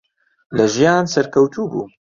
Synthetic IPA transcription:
lɐʒijaːnsɐɾkʰɐwt̪ʰuːbṵː

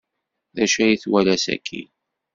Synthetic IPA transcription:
ðæʃæjiθwælæsæ̰kʰːḭ

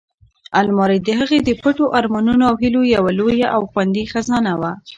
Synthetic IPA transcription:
almɑɾajd̪əɦəɣed̪əpəʈoʔɑɾmɑnunoawɦilojawalojaʔawxwand̪ixazɑnawa

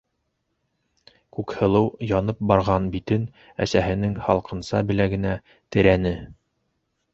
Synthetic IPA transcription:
kʉkhɤ̆lˠɤwjɑnɤp̚bɑɾʁɑnbit̪ɘn | æ̰sæɦɘ̆nɘŋhɑlˠqɤ̆nsɑbɘ̆læɡɘ̆næ | t̪ɘ̆ɾænɘ

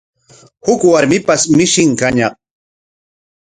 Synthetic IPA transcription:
hʊkwaɾmɪpasmɪʃɪŋkaɲaq

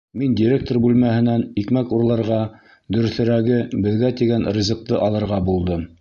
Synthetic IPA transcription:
mindʲɪɾʲek̚t̪orbʉlmæhɘ̆nænikmækuɾlˠɑ̆ɾʁɑ | d̪ɵ̆ɾɵ̆θɘ̆ɾæɡɘbɘ̆ðɡæt̪iɡænrʲizɤ̆q̚t̪ɤʔɑlˠɤ̆ɾʁɑbulˠd̪ɤm

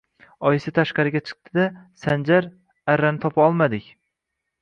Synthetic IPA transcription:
ɒjɪsɪt̪ʰaʃqɑɾɪɡʲat͡ʃʰɨ̥q̚t̪ʰɪd̪asand͡ʒaɾ | aɾːanɪt̪ʰɒpʰaɒlˠmad̪ɪkʲ

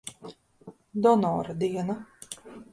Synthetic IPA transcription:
d̪ɔnɔːɾad̪iɛna

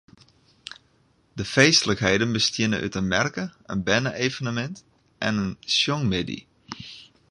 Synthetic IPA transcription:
dəfeːstələkɦejdənbəstjɪnə̰nʔy̰tənmɛrkəə̰nbɛnəʔeːvənəmɛnt | ʔɛnənsjoŋmɪdḭ

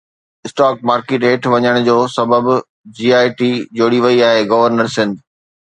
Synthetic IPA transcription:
ɪsʈaːk̚maːɾkeːʈeːʈʰʋɐɲəɽ̃ʊd͡ʑoːsɐbəb | d͡ʑiːaːɪʈiːd͡ʑoːɽiʋɐiaːɦeɡɐʋəɾnəɾsɪ̃nd̪

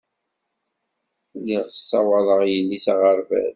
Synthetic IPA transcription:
lːiʁəsːɑwɑlˤəʁjəlːisaʁəɾvæ̰ð

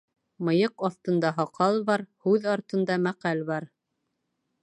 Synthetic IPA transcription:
mɤ̆jɤqɑθt̪ɤ̆nd̪ɑɦɑqɑlˠbɑɾhʉðɑɾt̪ɤ̆nd̪ɑmæqælβɑɾ

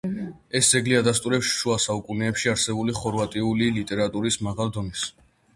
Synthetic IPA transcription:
ɛsd̪zɛɡliad̪ast̪ʼuɾɛpsʃuasaukʼunɛːpʃiaɾsɛbuliχɔɾvat̪ʼiulilit̪ʼɛɾat̪ʼuɾismaʁalˠd̪ɔnis

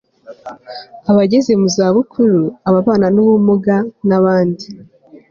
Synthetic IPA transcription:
aβaɟe̞ze̞muzaːβukʰuɾuaβaβaːnanuβumuɡanaβaːndi

